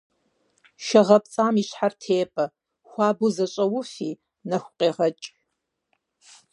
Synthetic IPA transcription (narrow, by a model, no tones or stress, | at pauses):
ʃɐʁɐp̚ʼt͡sʼaːmiɕħartʰeːpʼɐ | xʷaːbʊzɐɕʼɐwʊfiː | nɐxʷqʼeːʁɐt͡ʃʼ